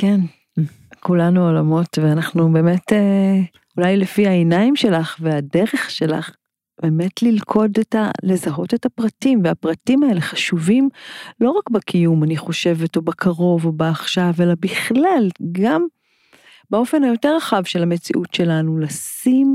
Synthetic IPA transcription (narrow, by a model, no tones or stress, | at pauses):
ken | kulanuolamo̞tveanaχnube̞ːme̞te | ulajlefihaenaimʃe̞laχveade̞ʁe̞χʃe̞la̰χ | b̥e̞ːme̞tlilkʰo̞deta̰le̞zaɦo̞te̞thapʁatimveapʁatimae̞le̞χaʃuvimlo̞ʁakbakʰijumaniχo̞ʃe̞vetobakʰaʁo̞vo̞baːχʃave̞labiχlalɡam | bao̞fe̞nhajo̞te̞ʁaχavʃe̞lamet͡sḭʔutʃe̞lanulasim